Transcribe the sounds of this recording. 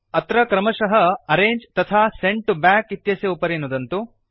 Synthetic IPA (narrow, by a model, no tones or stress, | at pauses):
ɐt̪ɾɐkɾɐmɐʃɐɦɐɐɾeːɲd͡ʒt̪ɐt̪ʰaːseɳʈubaːkit̪jɐsjɐupɐɾenud̪ɐnt̪u